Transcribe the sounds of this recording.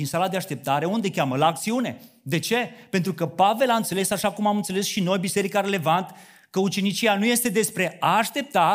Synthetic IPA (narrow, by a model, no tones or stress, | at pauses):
insalad̪eaʃt̪e̞p̚t̪aɾe̞und̪e̞kʲaməlaːk̚t̪siune̞̰d̪e̞t͡ʃe̞pe̞nt̪ɾukəpave̞laɨnt̪se̞le̞saʃakumamɨnt̪sele̞sʃino̞jbise̞ɾikaɾe̞le̞vant̪ə̥ | kəut͡ʃe̞nit͡ʃianuje̞st̪e̞d̪e̞spɾe̞aːʃt̪e̞p̚t̪a